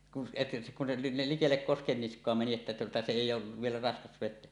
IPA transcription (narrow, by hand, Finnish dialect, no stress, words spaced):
kun se kun se nil likelːek koskenːiskˑoɑ meni etːæ tuotɑ se eˑijˑ oːʋ ʋielæ rɑskɑs ʋetˑeæ